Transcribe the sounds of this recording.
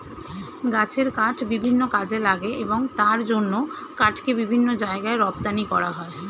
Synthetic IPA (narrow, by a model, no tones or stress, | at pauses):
ɡat͡ɕʰeɾkaʈʰbibʱinːokad͡ʑʱelaɡeʔeboŋt̪aɾd͡ʑonːo | kaʈʰkebibʱinːod͡ʑaeɡaeɾɔbt̪anikɔɾaɦɔe